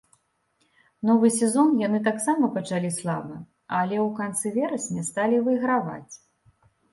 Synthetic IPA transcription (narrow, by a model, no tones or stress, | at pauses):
nɔvɨsʲɛzɔnjanɨt̪̬aksamɐpɐt͡ʂalʲislˠa̰bɨ | alʲɛwkant̪sɨvʲɛɾɐsʲnʲɛst̪alʲivɨiɣɾava̰t͡sʲ